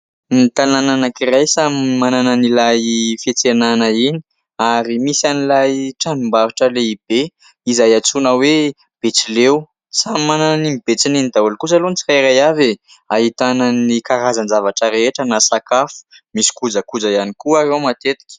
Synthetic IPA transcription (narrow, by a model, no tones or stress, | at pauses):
nit̪anananakiɾajsammanananilajfet͡senanəini̥ | aɾimisanilajʈ͡ʂanumbaɾuʈ͡ʂəleib̥e | izajat͡sunəwe | b̥et͡silew | sammanananimib̥et͡sininid̪aulkusalonit͡sirajiɾajave | aɦit̪anənikaɾazanzavaʈ͡ʂəɾeeʈ͡ʂənasakafu̥misi̥kud͡zəkud͡zajanikuaɾewmat̪et̪i̥kʲə̥